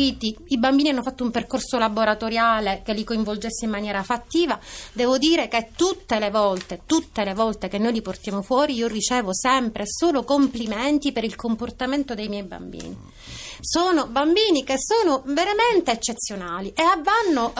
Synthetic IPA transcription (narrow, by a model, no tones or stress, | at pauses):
it̪iibambiːnianːofat̪ːoumperkorsolaboɾat̪oɾjaːlekelːikoiɱvold͡ʒesːeimːanjɛːɾafat̪ːiːvad̪ɛːvod̪iːɾeket̪ut̪ːelevɔlt̪et̪ut̪ːelevɔlt̪ekenːojliport̪jaːmofwɔːɾiiːorit͡ʃɛːvosɛmpɾesoːlokomplimɛnt̪ipeɾilkomport̪ament̪od̪ejmjɛjba̰mbḭːni | soːnobambiːnikesːoːnoveɾament̪eːt͡ʃːet̪sːjonaːliʔeavːanːo